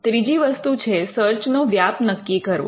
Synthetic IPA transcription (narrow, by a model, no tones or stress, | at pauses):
t̪ɾid͡ʒiʋəst̪ut͡ʃʰesəɾt͡ʃnoʋjapnəkːikəɾʋo̰